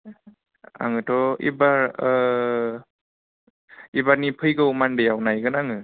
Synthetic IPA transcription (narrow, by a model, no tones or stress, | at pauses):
a̰ŋɯtʰɔḭbaɾ | ibaɾnipʰɯjɡɯwmandejawnajɡɯnaŋɯ